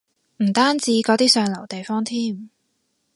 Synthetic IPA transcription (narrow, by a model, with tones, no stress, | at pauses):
m̩˨˩t̪aː˥nt͡siː˨˥kɔː˨˥t̪iː˥sœː˨ŋlɐ˨˩wt̪e˨jfɔː˥ŋt̪ʰiː˥m